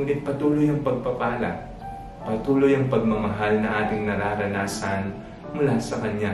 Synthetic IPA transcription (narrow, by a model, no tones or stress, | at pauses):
ŋʔɪt̪̚pɐt̪uːlo̞jɐŋpɐɡ̚pɐpaːlɐ̰ | pɐt̪uːlo̞jɐŋpɐɡ̚mɐmɐɦalnɐŋʔaːt̪ɪŋnɐɾaɾɐnaːsɐn | mʊlaːsɐkɐɲːa